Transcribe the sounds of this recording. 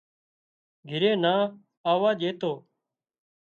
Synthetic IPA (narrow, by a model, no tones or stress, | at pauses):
ɡʱɪɾẽːnaː | aːʋaːʄeːt̪oː